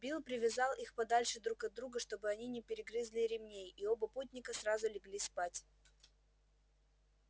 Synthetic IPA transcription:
bʲilˠpɾʲɪvʲɪzɑlˠixpɐd̪alʲʂɨd̪ɾukɐd̪ɾuɡəʂt̪o̞bɨɐnʲinʲɪpʲɪɾʲɪɡɾʲɨzlʲɪɾʲɪmnʲejio̞bəputʲnʲɪkəsrazʊlʲɪɡlʲispatʲ

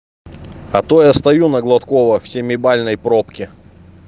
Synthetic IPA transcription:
ɐt̪ojast̪ɐjunəɡlˠɐt̪kovəfsʲemʲɪbalʲnəjpɾopkʲɪ

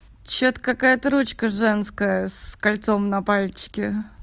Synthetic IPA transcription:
t͡ɕːot̪əkakajət̪əɾut͡ɕkəʐɛnskəjəskalʲt̪so̞mnɐpalʲt͡ɕɪ̥kʲɪ

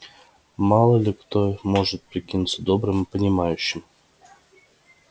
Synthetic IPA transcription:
mɑlˠəlʲikt̪omoʐət̪̚pɾʲekʲinut̪səd̪obɾəmpənʲimɑjyɕːɪm

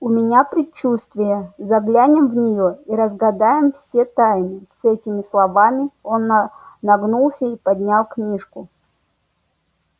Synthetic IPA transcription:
ʊmʲɪnʲapɾʲɪt͡ɕːust̪vʲɪjəzɐɡlʲænʲɪmvnʲɪjoiɾəzɡɐd̪ajɪmfsʲet̪ajnɨsɛtʲɪmʲɪslˠɐvamʲɪonːɐɡnulˠsʲəipɐdʲnʲalˠknʲiʂkʊ

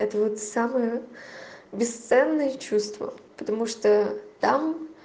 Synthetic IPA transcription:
ɛt̪əvot̪saməjə | bʲɪst̪sɛnːəjət͡ɕust̪və̰pət̪ɐmuʂt̪ot̪am

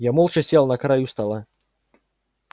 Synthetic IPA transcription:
jamolˠt͡ʃəsʲelˠnɐkɾajust̪ɐlˠa

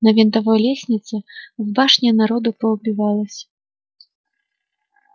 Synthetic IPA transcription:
nɐvʲɛnt̪avɔjlʲɛsʲnʲit̪sɐwbaʂnʲɛnaɾɔd̪upɾɐwbʲivalˠɐsʲɐ̥

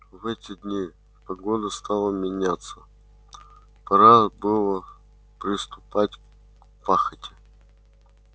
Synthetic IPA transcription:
vɛtʲɪd̪ʲnʲi | pɐɡod̪əst̪alˠəmʲɪnʲat̪sə | pɐɾabɨlˠə | pɾʲɪst̪ʊpatʲ | kpaxətʲɪ̥

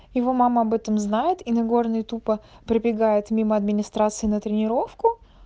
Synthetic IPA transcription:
jɪvo̞maməɐbɛt̪əmznajɪt̪inɐɡo̞rnɨjt̪upə | pɾəbʲɪɡajɪt̪mʲiməɐd̪mʲɪnʲɪst̪ɾat̪sɨɪnət̪ɾʲɪnʲɪɾo̞fkʊ

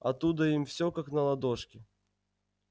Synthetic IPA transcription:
ɐ̰t̪ːud̪əimfsʲokaknɐlˠɐd̪oʂkʲɪ

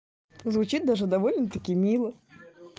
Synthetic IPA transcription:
zvʊt͡ɕit̪̚d̪aʐɨd̪ɐvolʲnət̪ɐkʲijmʲilˠə

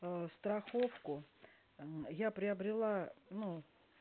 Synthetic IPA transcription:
st̪ɾɐxofkʊ | japɾʲɪɐbɾʲɪlˠanu

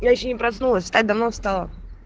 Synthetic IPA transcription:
jaɪɕːonʲɪpɾɐsnulˠəsʲfst̪at̚ʲd̪ɐvnost̪ɑlˠə̰

